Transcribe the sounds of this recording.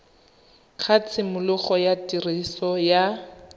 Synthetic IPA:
k͡xʰat͡sʰɪmʊlʊχɔjatʼirisɔja

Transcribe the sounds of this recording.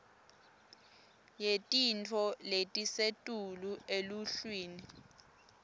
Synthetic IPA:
jetʼintʰɔletʼisetʼulueluɬwiːni

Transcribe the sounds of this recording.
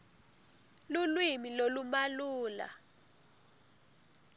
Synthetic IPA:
lulwimilolumaluːla̰

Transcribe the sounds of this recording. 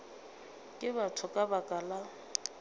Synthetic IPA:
kʼɪbatʰʊkʼabakʼala

